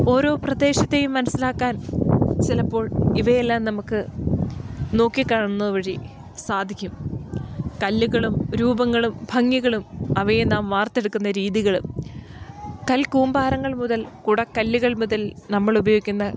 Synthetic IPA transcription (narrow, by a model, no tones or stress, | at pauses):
o̞ːɾo̞ːprɐd̪e̞ːɕɐt̪ːe̞jumːɐnɐsilaːkːaːnt͡ɕilɐpːo̞ːɭiʋɐjelːaːmnɐmukːɨ | no̞ːkːikːaːɳunːɐðuʋɐɻi | saːd̪ʱikʲːum | kɐlːuɣɐɭumɾuːbɐŋːɐɭumbʱɐŋːiɣɐɭumɐʋɐjenaːmʋaːrt̪ːe̞ɽukːunːɐɾiːðiɣɐɭṵm | kɐlkuːmbaːɾɐŋːɐɭmuðɐlkuɽɐkːɐlːuɣɐɭmuðɐlnɐmːɐɭubɐjoːɡikʲːunːɐ